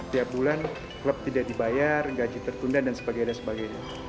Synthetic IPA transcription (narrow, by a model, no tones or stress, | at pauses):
t̪iap̚bulan | kələp̚t̪idaʔdibajarɡad͡ʒit̪ərt̪undandansəbaɡajɲasəbaɡajɲa